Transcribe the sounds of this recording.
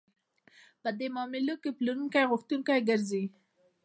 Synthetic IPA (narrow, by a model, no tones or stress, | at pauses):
pəd̪emɑmɪlokepluɾuŋkajɣʊxt̪uŋkajɡəɾzi